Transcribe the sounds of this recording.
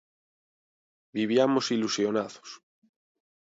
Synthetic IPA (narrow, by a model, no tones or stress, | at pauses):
biβ̞jamosilusjonaðo̥s